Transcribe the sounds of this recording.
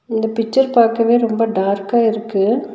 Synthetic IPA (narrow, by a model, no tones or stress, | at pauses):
ɪnd̪ɐpɪt͡ʃːɐɾpaːɾkɐʋeːɾɔmbɐɖaːɾkaːɪɾɯkːɯ